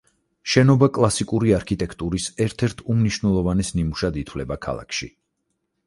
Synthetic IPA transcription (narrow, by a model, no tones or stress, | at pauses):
ʃɛnɔbakʼlˠasikʼuɾiaɾkʰit̪ʼɛkʰt̪ʼuɾisɛɾt̪ʰɛɾt̪ʰumniʃwnɛlˠɔvanɛsnimuʃad̪it̪ʰwlɛbakʰa̰lˠa̰kʰʃḭ